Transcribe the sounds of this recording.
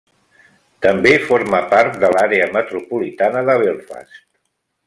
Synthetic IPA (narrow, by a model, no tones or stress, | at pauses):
t̪əmbefoɾməpaɾt̪̚d̪əlaɾeəmət̪ɾupulit̪anəðəβelˠfa̰st̪